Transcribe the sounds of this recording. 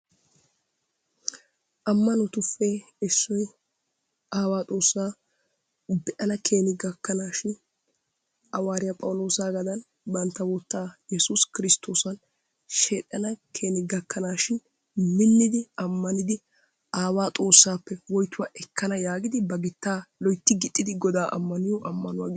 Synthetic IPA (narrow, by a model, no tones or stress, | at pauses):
ʔɐmːɐnɔt̪ʊfːɛ | ɛsːɔj | ʔaːwaːt̪ʼo̞ːsːaː | bɛʔɐnɐkʰeːnɪɡɐkːɐnaːʃɪn | ʔɐwaːɾɪjɐpʼɐwʊlo̞ːsaːɡɐd̪ɐn | bɐnt̪ːɐwɔt̪ːaːjɛsuskɪɾɪst̪ʰːo̞ːsɐn | ʃeːt̪ʼːɐnɐkʰe̞ːnɪɡɐkːɐnaːʃɪn | mɪnːɪd̪ɪɐmːɐnɪd̪ɪ | aːwaːt̪ʼo̞ːsːaːpːɛwɔjt̪ːʊwaʔɛkʰːɐnɐjaːɡɪd̪ɪbɐɡɪt̪ːaːlɔjt̪ːɪɡɪt̪ʼːɪd̪ɪɡɔd̪aːʔɐ̰mːɐnɪjɔʔɐmːɐnʊwaːɡ